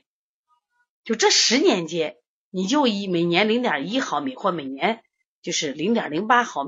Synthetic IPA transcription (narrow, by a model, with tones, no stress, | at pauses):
t͡ɕjo˥˧ʊʈ͡ʂɤ˥˩ʂɻ̩˧˥njɛ˧˥nt͡ɕjɛ˥n | ni˨˩t͡ɕjo˥˩ʊi˧˨˩me˨˩ɪnjɛ˧˥nli˧˥ŋt̪jɑ˨˩i˥xɑ˧˥ʊmi˨˩˦xwɔ˥˩me˨˩ɪnjɛ˧˥n | t͡ɕjo˥˧ʊʂɻ̩˥˩li˧˥ŋt̪jɑ˨˩li˧˥ŋpa˥xɑ˧˥ʊm